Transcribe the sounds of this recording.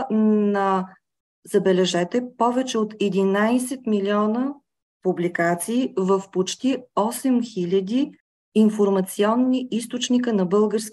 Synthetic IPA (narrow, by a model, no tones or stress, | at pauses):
nɐ | zɐbɛlɛʒɛt̪ɛpɔvɛt͡ʃɛot̪ɛd̪inajsɛt̪milʲiɔnə | publikat̪siːvəfpot͡ʃt̪iɔsɛmxilʲɐd̪iː | nfoɾmɐt̪siɔnːiist̪ot͡ʃnikənɐbɤlˠɡəɾsk